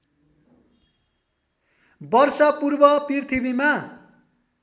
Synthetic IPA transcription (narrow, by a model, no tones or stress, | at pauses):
bʌrsʌpurbʌprirt̪ʰibima